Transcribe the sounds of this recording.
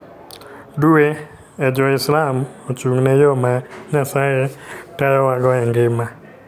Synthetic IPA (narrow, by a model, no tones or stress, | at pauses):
due | ed͡ʒɔɪslamot͡ʃuŋnɛjomaɲasajetajɔwaɡɔɛŋɡɪma